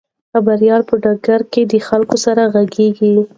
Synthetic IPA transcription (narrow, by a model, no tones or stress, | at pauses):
xabaɾijɑlpəɖɑɡaɾked̪əxalkosaɾaɣaɡeɡi